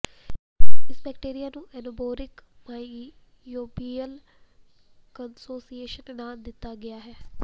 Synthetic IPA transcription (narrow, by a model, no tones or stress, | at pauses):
ɪsbɛːkʈeːɾijanũɛnoboːɾɪkma | joːbiəl | kənsoːsieːʃənɛnãːnd̪ɪt̪aɡɐjaɦɛː